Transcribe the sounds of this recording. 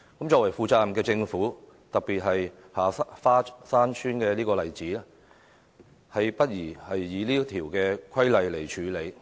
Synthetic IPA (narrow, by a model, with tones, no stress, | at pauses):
kmt͡st͡ʃɔː˧wɐ˨˩jfuː˨t͡saː˧mkɛː˧t͡sɪ˧ŋfuː˨˥ | t̪ɐ˨k̚piː˨t̚ɦɐ˨j | haː˨faː˥saː˥nsʰyː˥nkɛː˧liː˥kɔː˧lɐ˨jt͡siː˨˥lɛː˥ | hɐ˨jpɐ˥t̚jiː˨˩hɐ˨jːiː˨˧liː˥t̪ʰiː˨˩wkɛː˧kʰɐ˥jlɐ˨jle˨˩jt͡ʃʰyː˨˧˥le˨˧j